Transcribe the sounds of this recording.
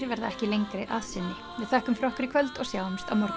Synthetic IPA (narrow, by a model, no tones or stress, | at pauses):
vɛɾðaɛhcɪlejŋkɾɪʔaðsɪnːɪ | vɪðθɛːhkʏmfɾɔhkʏɾɪkʰvœlt̪ɔɣsjawmst̪awmɔɾ